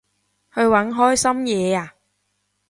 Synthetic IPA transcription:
hɵ˧ɥwɐ˨˥nɦɔː˥jsɐ˥mjɛː˨˧aː˨˧

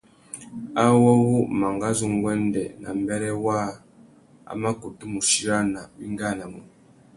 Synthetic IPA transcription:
a˦wɔ˦wu˦ma˨ŋɡa˦zu˦ŋ˦ɡwɛ˦n˦dɛ˨na̰˨m˦bɛ˦ɾɛ˦wa˦ | a̰˦ma˦ku˨tu˦mu˨ʃi˦ɾa˦na˨bi˦ŋ˦ɡa˦˨na˨mu˨

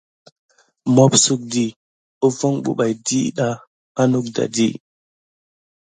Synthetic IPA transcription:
mo˦psu˦˨k̚di˨ | u˦vo˦ŋɓṵ˦ɓa˨jdi˦ɗa˦ | a˦nu˦k̚da̰˨di˦

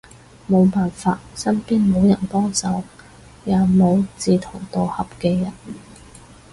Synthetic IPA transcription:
mo˨˧wpaː˨nfaː˧t̚sɐ˥npiː˥nmo˨˧wjɐ˨˩npɔː˥ŋt͡sɐ˨˧w | jaː˨˧mo˨˧wt͡siː˨t̪ʰʊ˨˩ŋt̪o˨whɐ˨pkɛː˧jɐ˨˩n

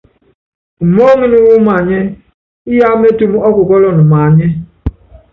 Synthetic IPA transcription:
u˨mo˦ŋi˦nu˦wu˦ma˨ɲe˦ | i˦ja˦me˦tu˨m˨ɔ˦ku˨kɔ˦lɔ˨nu˨ma˨ɲe˦

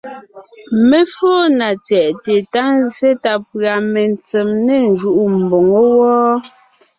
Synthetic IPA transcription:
me˦foː˦na˨t͡sjɛ˨ʔte˨ta˦n˦ze˦ta˦pɰa˨me˨n˨t͡se˨mne˦˨n̩˦˨d͡ʒu˨ʔu˦m̩˨bo˨ŋo˦wɔː˦

